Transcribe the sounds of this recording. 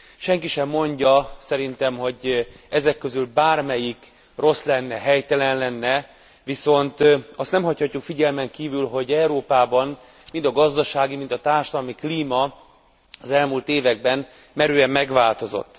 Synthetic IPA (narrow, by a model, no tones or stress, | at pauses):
ʃɛŋkiʃɛmːo̞ɲɟɒsɛɾint̪ɛmɦo̞ɟ | ɛzɛkːø̞zylbaːrmɛjik | ro̞slɛnːɛɦɛjt̪ɛlɛnlɛnːɛ | ʋiso̞nt̪ɒst̪nɛmhɒchɒcːukfiɟɛlmɛŋkiːvylɦo̞ɟɛuɾoːpaːbɒn | mind̪ɒɡɒzd̪ɒʃaːɡimint̪ɒt̪aːrʃɒd̪ɒlmikliːmɒ | ɒzɛlmuːlt̪eːvɛɡ̚bɛn | mɛɾyːɛmːɛɡʋaːlt̪o̞zo̞̰t̪ː